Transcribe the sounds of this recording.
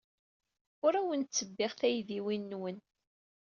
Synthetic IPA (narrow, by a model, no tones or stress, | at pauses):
ʊɾæwənt̪t͡sːəbːɪʁθæjðiwinːwən